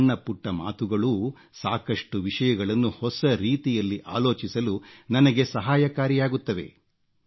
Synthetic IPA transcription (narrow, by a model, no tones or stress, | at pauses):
ɳːɐpuʈːɐma̰ːt̪uɡɐɭuː | saːkɐʂʈuʋiʂɐjɐɡɐɭɐnːuhɔsɐɾiːt̪ijɐlːiʔa̰ːloːt͡ʃisɐlunɐnɐɡe̞sɐɦaːjɐkaːɾijaːɡut̪ːɐʋe̞̰